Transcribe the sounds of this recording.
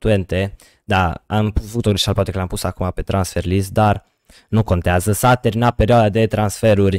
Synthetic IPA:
t̪uent̪e | d̪aampuvut̪oɡliʃalpwat̪ekəlampusakumapet̪ɾansferlisd̪ar | nukont̪eazəsat̪eɾinapeɾjoad̪ad̪et̪ɾansfeɾurʲ

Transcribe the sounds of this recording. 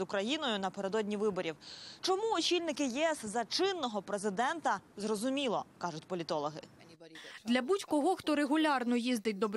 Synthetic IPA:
ʊkɾɐjinɔjʊnɐpeɾe̞d̪ɔdʲnʲiʋɪbɔɾʲiwt͡ʃɔmuɔt͡ʃʲilʲnɪkɪjɛɛszɐt͡ʃɪnːɔɦɔpɾezɪd̪ɛnt̪ɐzrɔzʊmʲilˠɔ̰kɑʒʊtʲpɔlʲit̪ɔlˠɔɦɪ̰ | d̪lʲɐbutʲkɔɦɔxt̪ɔɾeɦʊlʲɑrnɔjizd̪ɪt̚ʲd̪ɔb

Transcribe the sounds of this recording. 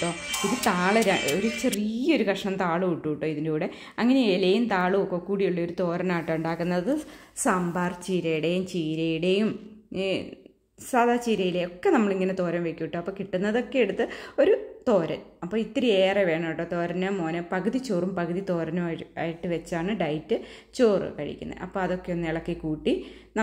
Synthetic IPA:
ʈːoːiðɨt̪aːɭɐɾaoɾut͡ɕrioɾukɐʂɐɳɐmt̪aːɭuuʈːuiʈːo̞ːiðindeuːɽe | ɐŋːɐneelɐjumt̪aːɭɨokːoːkuːɽijuɭːɐo̞ɾut̪o̞ːɾɐnaːjʈːɨuɳɖaːkːunːɐðɨsambaːrt͡ɕiːɾɐjiɽejumt͡ɕiːɾɐjiɽejum | saːðʱaːt͡ɕiːɾɐjileokːe̞nɐmːɐɭiŋːɐnet̪o̞ːɾɐmʋekʲːuʋiʈːɨɐpːoːkiʈːunːɐðo̞kːejeɽut̪ːɨo̞ɾut̪o̞ːɾɐ̰nɐpːoːit̪ːiɾieːreʋe̞ːɳɐʈːot̪o̞ːɾɐnɐmo̞ːnɐpɐɣuðit͡ɕːoːrumpɐɣuðit̪o̞ːɾɐnɐa̰ːjiʈːɨʋet͡ɕːaːɳɨɖɐjtːɨt͡ɕoːrɨ̰kɐɻḭkʲːunːɐ̰ɨʔɐ̰pːoːɐðo̞kːe̞jonːɨiɭɐkːikuːʈːinɐ

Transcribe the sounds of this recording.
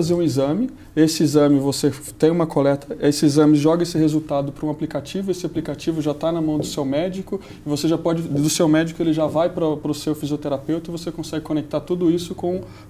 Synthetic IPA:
azeɾũizɐ̃mɪ | esɪizɐ̃mɪvose | t̪ẽj̃ũmɐkʰolɛt̪ʰɐesɪizɐ̃mɪʒɔɡɐesɪhezut̪ad̪ʊpɾɐũaplikat͡ʃivʊesɪaplikat͡ʃivʊʒat̪anɐmɐ̃w̃d̪ʊsewmɛd͡ʒikʊ | ɪvoseʒapɔd͡ʒɪd̪ʊsewmɛd͡ʒikʊelɪʒavajpɾɐpɾʊsewfiziot̪eɾapewt̪ɐɪivosekõsɛɡɪkõnek̚t̪aɾt̪ud̪ʊisʊkõ

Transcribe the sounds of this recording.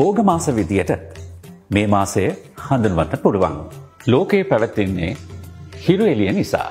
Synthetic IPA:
boːɡɐmaːsɐʋid̪ijɐʈə | meːmaːsejə | hɐnd̪unuʋɐnːɐpuɽuʋa̰ŋ | loːkeːpæʋɐt̪ːinːḛːhiɾuelijɐnisa̰ː

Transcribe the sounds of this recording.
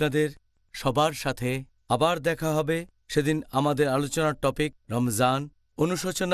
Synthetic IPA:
nad̪eɾ | ʃɔbʱaɾʃat̪ʰe | abaɾd̪ɛkʰaɦɔbe | ʃed̪inamad̪eɾalot͡ɕonaʈɔpik̚ɾɔmzan | onuʃot͡ɕon

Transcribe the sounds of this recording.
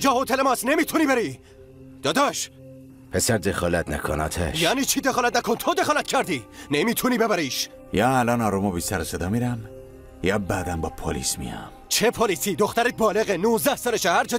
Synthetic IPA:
d͡ʒɒːhot̪ʰelemɒːsnemiːt̪ʰuniːbeɾiː | d̪̥ɒːd̪ɒːʃ | pʰesæɾd̪exɒlæt̪ʰnæ̰kʰonɒ̰ːt̪ʰḛʃjæːniːt͡ʃʰiːd̪exɒːlæt̪̚nækʰont̪ʰod̪exɒːlæt̪̚cʰæɾd̪iːnemiːt̪ʰuniːbebæɾiːʃ | jɒːælɒːnɒːɾumobisæɾesed̪ɒːmiɾæm | jɒbæːd̪æmbɒːpʰolḭːsmḭjɒ̰mt͡ʃʰepʰoliːsiːd̪oxt̪æɾet̪̚bɒːleɣenuːzd̪æhsɒleʃæhæɾd͡ʒɒː

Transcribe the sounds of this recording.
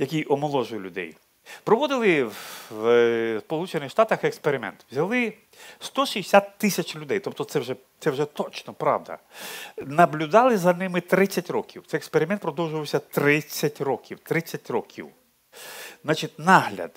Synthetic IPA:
jɐkʲijʔɔmɔlˠɔʒʊjʊlʲʊd̪ɛ̰j | pɾɔʋɔd̪ɪlˠɪw | spɔlˠut͡ʃenɪxʃt̪ɑt̪ɐxekspeɾɪmɛ̰nt̪wzʲɐlˠɪ | st̪ɔʃijsʲat̪ːɪsʲɐt͡ʃlʲʊd̪ɛjt̪ɔp̚t̪ɔt̪sɛwʒɛ | t̪sɛwʒɛt̪ɔt͡ʃnɔpɾɑ̰wd̪ɐ̰ | nɐblʲʊd̪ɑlˠɪzɐnɪmɪt̪ɾɪt͡sʲːɐtʲrɔkʲiwt̪ɛjekspeɾʲɪmɛnt̪pɾɔd̪ɔwʒʊʋɐwsʲɐt̪ɾɪt͡sʲːɐtʲrɔkʲiwt̪ɾɪt͡sʲːɐtʲrɔkʲʰḭw | znɑt͡ʃɪtʲnɑɦlʲɐ̰d̪̥

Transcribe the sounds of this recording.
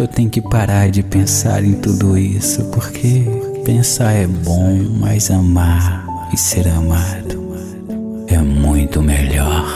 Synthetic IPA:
ewt̪ẽɲʊkɪpaɾaɾd͡ʒɪpẽsa̰ɾẽj̃t̪ud̪ʊisʊpoɾkʰe | pẽsaɾɛbõw̃majzɐmaɾ | ɪseɾɐmad̪ʊ | ɛmũj̃t̪ʊmeʎɔɾ

